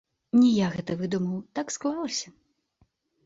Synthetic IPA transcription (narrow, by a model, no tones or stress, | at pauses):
nʲijaɣɛt̪ɐvɨd̪umɐwt̪aksklˠalˠɐsʲɐ̥